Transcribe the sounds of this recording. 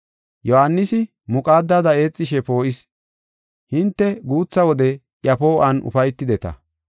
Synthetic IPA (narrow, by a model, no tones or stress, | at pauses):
jɔhanːɪsɪ | mʊkʼaːd̪ːaːd̪ɐe̞ːt͡sʼːɪʃɛpo̞ːʔɪs | hɪnt̪ːɛɡuːt͡sːɐwɔd̪ɛ | ʔjɐpo̞ːʔɐnʊ̰fɐjt̪ːɪd̪ɛt̪ɐ̰